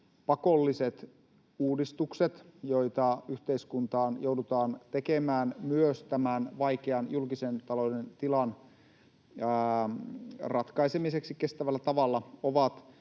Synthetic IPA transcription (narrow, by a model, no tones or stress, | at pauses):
pɑkolːiset̪ | uːdist̪ukset̪joit̪ɑyht̪eiskunt̪ɑːnjoudut̪ɑːnt̪ekemæːnmyøst̪æmænʋɑikeɑnjulkisent̪ɑlodent̪ilɑn | rɑt̪kɑisemiseksike̞st̪æʋælːæt̪ɑʋɑlːɑoʋɑt̪